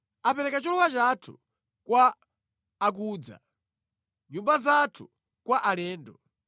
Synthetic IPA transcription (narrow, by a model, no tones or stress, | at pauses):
apɛɾɛkat͡ʃɔlɔwat͡ʃatʰṵ | kwaː | k̬uːd͡za̰ | ɲumbazatʰu | kwaʔalɛːndɔ